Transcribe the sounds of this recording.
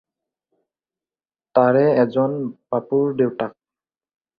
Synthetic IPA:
taɹɛɛzɔnb̥apuɹdewtak̚

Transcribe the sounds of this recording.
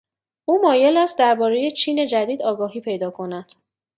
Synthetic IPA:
ʔuːmɒːje̞læst̪̚d̪æɾbɒːɾe̞je̞t͡ʃʰiːne̞d͡ʒæd̪iːd̪ɒːɡɒːɦiːpʰe̞jd̪ɒːkʰo̞næd̪̥

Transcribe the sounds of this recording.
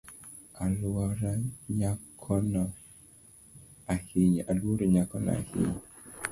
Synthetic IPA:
alwɔɾaɲakʰɔnɔ | ahiɲalwoɾɔɲakɔnɔ̰a̰hḭɲ

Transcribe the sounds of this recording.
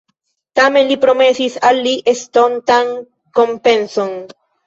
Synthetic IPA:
t̪amenlipɾomesisalːiʔest̪ont̪aŋ | kompẽnsoŋ

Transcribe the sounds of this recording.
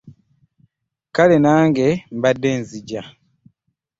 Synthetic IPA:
kalenaːŋɡembadːenziɟa

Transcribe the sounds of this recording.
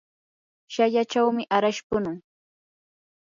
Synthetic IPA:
ʃaʎat͡ʃawmɪʔaɾaʃpʊnʊŋ

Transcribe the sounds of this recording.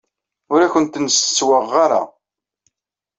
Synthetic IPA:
ʊɾæçənt̪nəst͡sːwəʁːaɾa̰

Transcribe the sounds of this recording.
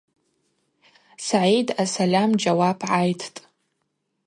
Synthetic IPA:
saʕejdʰasalʲamd͡ʒawapʰʕajtʰtʼ

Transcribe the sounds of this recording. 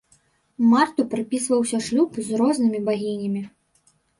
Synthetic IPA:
mart̪upɾɨpʲisvɐwsʲɐʂlʲupzrɔznɨmʲibaɣʲinʲɐmʲi

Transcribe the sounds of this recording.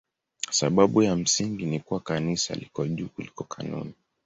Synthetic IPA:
asaɓaɓujam̩siŋɡinikuwakanisa̰likɔʄuːkulikɔkʰanṵni

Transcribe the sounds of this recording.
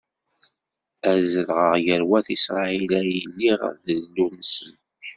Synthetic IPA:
æzəlʁəʁjəɾwæθisɾˤɑilæjlːiʁə̰ðəlːuɾnəsən

